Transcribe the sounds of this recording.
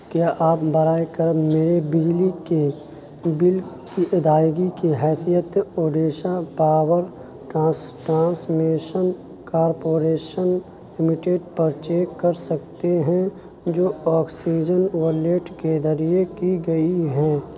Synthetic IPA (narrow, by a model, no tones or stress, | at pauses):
kjaːʔaːpbɐɾaːekəɾmeːɾebɪd͡ʒlike | bɪl | kiʔɪd̪aːjɡikiɦɛːt̪ʰijət̪oːɖeːʃapaːwəɾ | ʈãːsʈɾãːsmeːʃən | kaːɾpoːɾeːʃən | lɪmɪʈeːɖ̚pəɾt͡ʃeːk̚kɐɾsɐkt̪eɦɛ̃ | d͡ʒoːɔːksiːd͡ʒənwəɾleːʈked̪ɐɾijekiɡɐiɦɛ̃ː